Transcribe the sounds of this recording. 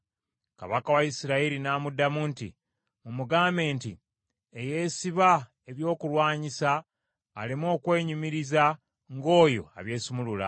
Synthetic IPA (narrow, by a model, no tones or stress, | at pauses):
ka̰βakawaisiɾaiɾinaːmudamuntḭ | mumuɡaːme̞ːnti | eje̞siβa | eβjo̞ːkulwaːɲisaː | limo̞ːkwe̞ːɲumiɾiza | ŋɡo̞ːjo̞̰a̰βje̞ːsumulula̰